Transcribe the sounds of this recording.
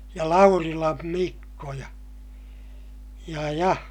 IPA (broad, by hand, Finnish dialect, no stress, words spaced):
jɑ lɑurilɑm mikːo jɑ jɑ jɑ